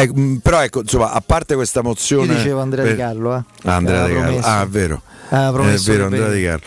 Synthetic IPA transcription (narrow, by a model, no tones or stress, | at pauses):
ɛkːpeɾɔɛkːonsomːaʔapːart̪ekwest̪amot̪sːjoːnit͡ʃeːvoand̪ɾɛarlːoɛ | aand̪ɾɛad̪eka̰aɛvːeːɾo̰ | apːɾoɛvːeːɾoand̪ɾɛad̪ika̰rlo